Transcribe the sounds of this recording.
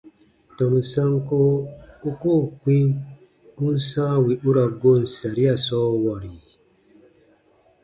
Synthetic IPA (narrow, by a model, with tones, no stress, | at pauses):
tɔ˨mu˨sã˦ŋko˦u˦koː˦˨k͡pĩ˦ | u˦n˦sãː˦wi˨ʔu˦ɾa˨ɡo˦˨n̩˨sa˨ɾi˦a˦˨sɔː˦wa˨ɾi˨